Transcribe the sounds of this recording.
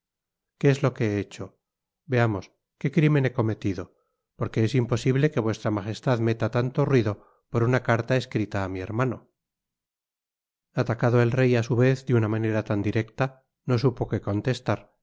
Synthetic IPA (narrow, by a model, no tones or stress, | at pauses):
keezlo̞ke̞eet͡ʃo̞ | be̞amo̞s | ke̞kɾime̞ne̞ko̞me̞t̪iðo̞ | po̞ɾke̞esimpo̞siβle̞ke̞βwe̞st̪ɾamaxe̞st̪aðme̞t̪at̪ant̪o̞rwiðo̞ | po̞ɾunakaɾt̪aeskɾit̪aːmie̞ɾmano̞̰ | at̪akaðoe̞lre̞jasuβe̞θd̪eunamane̞ɾat̪and̪iɾe̞kt̪a | no̞s̬upo̞ke̞ko̞nt̪e̞st̪aɾ